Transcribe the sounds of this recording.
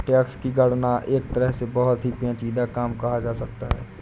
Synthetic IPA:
ʈɛːkskiɡəɽnaʔeːk̚t̪əɾəɦsebəɦʊt̪ɦipẽːt͡ʃiːd̪akaːmkɐɦad͡ʒaːsɐk̚t̪aɦɛ̰ː

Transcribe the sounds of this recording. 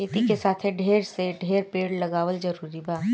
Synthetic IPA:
eːt̪ikesaːt̪ʰeɖʱeːɾseɖʱeːɾpeːɽlɐɡaːʋəld͡ʒɐɾuːɾibaː

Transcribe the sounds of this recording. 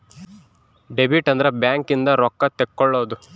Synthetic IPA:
ɖebiʈɐnd̪ɐɾebjaːŋkind̪ɐɾɔkːɐt̪ekːɔɭːoːd̪u

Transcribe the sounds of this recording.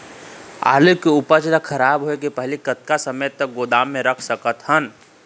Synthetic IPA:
a̰ːlekeʊpət͡ʃlakʰəɾaːbɦoekepəɦlikət̪̚kasəməjt̪ək̚ɡoːd̪aːmːẽɾəkʰsəkət̪ɦən

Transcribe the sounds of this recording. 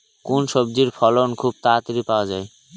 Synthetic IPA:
kunʃobd͡ʑiɾfʰɔlonkʰub̚t̪at̪iɾipaoad͡ʑae

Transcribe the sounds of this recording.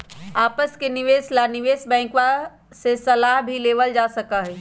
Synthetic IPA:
apəskeniʋeslaniʋesbɛ̃ɪ̃kʋa | sesəlaɦbʱileʋəld͡ʒasəkəɦɛ

